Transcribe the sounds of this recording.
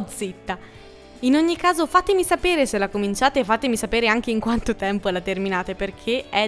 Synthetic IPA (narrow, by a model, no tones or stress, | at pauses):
d̪zit̪ːa | inoɲːikaːzofat̪emisapeːɾeselakomint͡ʃaːt̪efat̪emisapeːɾeaŋk̟eiŋkwant̪ot̪ɛmpoɛlat̪erminaːt̪eperkʰeɛ